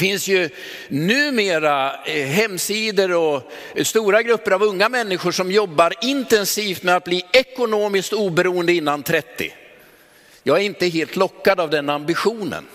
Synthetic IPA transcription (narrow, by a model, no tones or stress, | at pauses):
fɪnsjɵ | nʉ̟ːmeːɾaɦɛmːsiːd̪əɾɔ | st̪uːɾaɡɾɵpːəɾavɵŋːamɛnːɪɧʊʂɔmjɔbːaɾɪnt̪ɛnsiːft̪mɛat̪̚bliːɛkʊnoːmɪskt̪uːbɛɾuːənd̪əɪnːant̪ʰɾɛt̪ːɪ̰ | jɑːɡæɾɪnt̪əɦeːlt̪lɔkːad̪avd̪ɛnambɪɧuːnə̰n